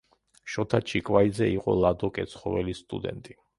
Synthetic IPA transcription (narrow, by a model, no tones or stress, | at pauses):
ʃɔt̪ʰat͡ʃʰikʼwaid̪zɛiqʼɔ̰lˠad̪ɔkʼɛt̪sʰχɔvɛlist̪ʼṵd̪ɛ̰nt̪ʼi